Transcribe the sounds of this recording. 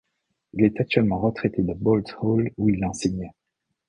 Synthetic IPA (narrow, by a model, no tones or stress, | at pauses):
ilɛt̪ak̚t̪ɥɛlmɑ̃ʁət̪χɛt̪ed̪əbɔlt̪holuilːɑ̃siɲ